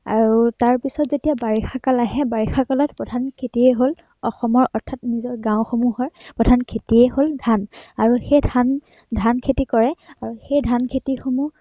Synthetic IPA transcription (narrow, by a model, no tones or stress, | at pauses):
a̰ɹutaɹpisɔtzetijabaɹixakalaɦɛbaɹixakalɔt̚pɹɔdʱankʰetiɛɦol | ɔxɔmɔɹʔɔɹtʰatnizɔɹɡãw̃xomuɦɔɹpɹɔdʱankʰetiɛholdʱanaɹuxedʱan | dʱankʰetikɔɹɛaɹuxejdʱankʰetixomu